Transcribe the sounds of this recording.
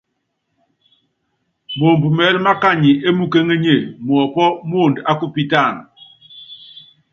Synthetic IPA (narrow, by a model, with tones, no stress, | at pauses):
mo˨m˨bu˨mɛ˨˦lma˦ka˦ɲi˨e˦mu˦ke˦ŋe˦ɲe˦˨m˨ɔ˨pɔ˦m˦o˦˨nda˦ku˦pi˦ta˦˨n